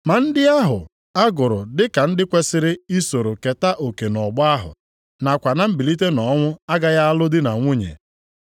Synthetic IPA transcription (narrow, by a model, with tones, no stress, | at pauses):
ma˨n̩˦dɪ˦a˦ɦʊ̰˨ | a˦ɡʊ˨ɾʊ˨dɪ˦ka˨n̩˦dɪ˦kʷe˦sɪ˦ɾɪ˦i˦so˨ɾo˨ke˨ta˦ʔo˨ke˨nɔ˨ɡ͡bʊ˦a˦ɦʊ̰˨ | na˨kʷa˨na˦m̩˦bi˨li˦t̬e˦nɔ˨˦ŋʷʊ˦a˦ɡa˦ja˦a˦lʊ˦dɪ˦na˨ŋʷʊ˦ɲḛ˨